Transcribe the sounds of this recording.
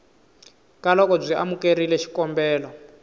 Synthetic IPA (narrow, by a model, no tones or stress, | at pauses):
kalɔkɔb͡ʐʷiʔa̰mukeɾilɛʃi̥kɔmbɛːlɔ